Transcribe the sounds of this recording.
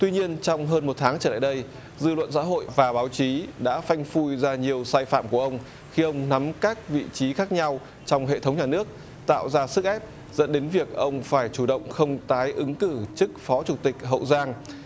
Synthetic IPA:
t̪wi˧ɲi˧ənt͡ɕɔ˧wŋ͡mɦəː˧nmo˨˩t̚t̪ʰaː˨˦ŋt͡ɕəː˧˩la̰ː˧˨jɗə˧j | zɨ̰˧˨lwə̰˧˨ns̬a̰ː˧˥ɦo̰˧˨jvaː˨˩ɓaː˨˦wt͡ɕi˨˦ɗa̰ː˧˥fa˧jŋ̟fu˧jzaː˧ɲi˨˩əwsaː˧jfa̰ː˧˨mku˧˩əʔə˧wŋ͡m | xi˧ʔə˧wŋ͡mna˨˦mkaː˦˥k̚vḭ˧˨t͡ɕi˨˦xaː˦˥k̚ɲa˧w | t͡ɕɔ˧wŋ͡mɦḛ˧˨t̪ʰə˨˦wŋ͡mɲaː˨˩nɨ˦˥ək̚ | t̪a̰ː˧˨wzaː˧sɨ˦˥k̚ʔɛ˦˥p̚ | zə̰˧˥nɗe˨˦nvi˨˩ək̚ʔə˧wŋ͡mfaː˧˩jt͡ɕu˧˩ɗə̰˧˨wŋ͡mxə˧wŋ͡mt̪aː˨˦jʔɨ˨˦ŋkɨ˧˩t͡ɕɨ˦˥k̚fɔ˨˦t͡ɕu˧˩t̪ï˨˩k̟̚ɦə̰˧˨wzaː˧ŋ

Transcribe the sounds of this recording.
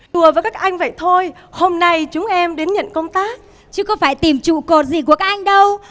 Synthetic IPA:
ɗu˨˩əvaː˨˩kaː˦˥kʔa˧jŋ̟və̰˧˨jt̪ʰo˧j | ho˧mna˧jt͡ɕʊ˨˦ŋ͡mʔɛ˧mɗe˨˦nɲə̰˧˨nkə˧wŋ͡mt̪aː˦˥k̚ | t͡ɕɨ˨˧˦kɔ˨˦faː˧˩jt̪i˨˩mt͡ɕṵ˧˨ko˨˩t̚zi˨˩k̬u˧˩əkaː˦˥k̚ʔa˧jŋ̟ɗə˧w

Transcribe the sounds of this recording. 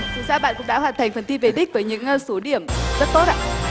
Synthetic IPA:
t͡ɕi˨˩saː˧ɓa̰ː˧˨nkʊ̰˧˥ŋ͡mɗa̰ː˧˥ɦwaː˨˩nt̪ʰj̟fə˨˩nt̪i˧ve˨˩ɗï˦˥k̟̚vəː˨˦jɲɨ̰˧˥ŋso˨˦ɗi˧˩əmzə˦˥t̚t̪o˦˥t̚ʔa̰ː˧˥

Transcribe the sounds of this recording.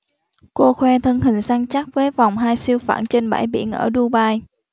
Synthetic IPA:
ko˧xwɛ˧t̪ʰə˧nhï˨˩ŋ̟sa˧ŋt͡ɕa˦˥k̚vəː˨˦jva˨˩wŋ͡mɦaː˧jsi˧əwfa̰ː˧˩nt͡ɕe˧nɓa̰ː˧˩jɓḭ˧˩ənʔəː˧˩ɗu˧ɓaː˧j

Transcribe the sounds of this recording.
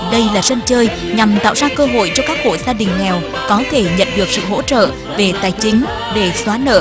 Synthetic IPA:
ɗə˧jlaː˨˩zə˧nt͡ɕəː˧j | ɲa˨˩mt̪a̰ː˧˨wzaː˧kəː˧ɦo̰˧˨jt͡ɕɔ˧kaː˦˥k̚ho̰˧˨jzaː˧ɗï˨˩ŋ̟ŋɛ˨˩w | kɔ˨˦t̪ʰe˧˩ɲə̰˧˨nɗɨ˨˩ək̚sɨ̰˧˨ɦo̰˧˥t͡ɕə̰ː˧˨ | ve˨˩t̪aː˨˩jt͡ɕï˨˦ŋ̟ | ɗe˧˩swaː˨˦nə̰ː˧˩

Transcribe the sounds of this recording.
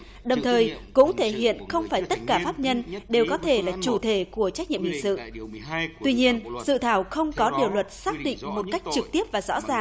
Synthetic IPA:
ɗə˨˩wŋ͡mt̪ʰəː˨˩jkʊ̰˧˥ŋ͡mt̪ʰe˧˩ɦḭ˧˨ənxə˧wŋ͡mfaː˧˩jt̪ə˦˥t̚kaː˧˩faː˦˥p̚ɲə˧nɗe˨˩wkɔ˨˦t̪ʰe˧˩laː˨˩t͡ɕu˧˩t̪ʰe˧˩ku˧˩ət͡ɕa˦˥k̟̚ɲḭ˧˨əmhḭ˧˨ŋsɨ̰˧˨ | t̪wi˧ɲi˧ənsɨ̰˧˨t̪ʰaː˧˩wxə˧wŋ͡mkɔ˨˦ɗi˨˩əwlwə˨˩t̚saː˦˥k̚ɗḭ˧˨ŋ̟mo˨˩t̚ka˦˥jk̟̚t͡ɕɨ˨˩k̚t̪i˦˥əp̚vaː˨˩zɔ̰˧˥zaː˨˩ŋ

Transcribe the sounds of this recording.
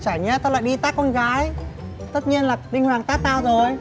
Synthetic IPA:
t͡ɕaː˧˩jɲɛ˧t̪aː˧la̰ː˧˨jɗi˧t̪aː˦˥kːɔ˧nɣaː˨˦j | t̪ə˦˥t̚ɲi˧ənlaː˨˩t̪ï˧ŋ̟hwaː˨˩ŋt̪aː˦˥k̚t̪aː˧wzo˨˩j

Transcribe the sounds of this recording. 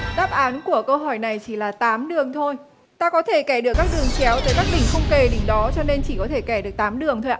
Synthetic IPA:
ɗaː˦˥p̚ʔaː˨˦nku˧˩əkəː˧ɦɔ˧˩jna˨˩jt͡ɕi˧˩laː˨˩t̪aː˨˦mɗɨ˨˩əŋt̪ʰo˧j | t̪aː˧kɔ˨˦t̪ʰe˧˩kɛ˧˩ɗɨ˨˩əkːaː˦˥k̚ɗɨ˨˩əŋt͡ɕɛ˨˦wt̪əː˨˦jkaː˦˥k̚ɗ̪ï˧˩ŋ̟xə˧wŋ͡mke˧˩ɗi˨˧˦ŋɗɔ˨˦t͡ɕɔ˧ne˧nt͡ɕi˧˩kɔ˨˦t̪ʰe˧˩kɛ˧˩ɗɨ˨˩ək̚t̪aː˨˦mɗɨ˨˩əŋt̪ʰo˧jʔaː˧

